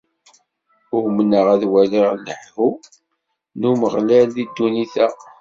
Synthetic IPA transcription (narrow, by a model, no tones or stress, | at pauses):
ʊɾmənəʁæðwæliʁlːəħhu | numəʁlælðid̪ːuniθæ